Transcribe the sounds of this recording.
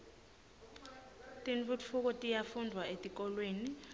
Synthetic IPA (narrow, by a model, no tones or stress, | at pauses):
tʼint͡fʼut͡fʰuk̬ɔtʼijafundʱwaetʼik̬ʼɔlweːni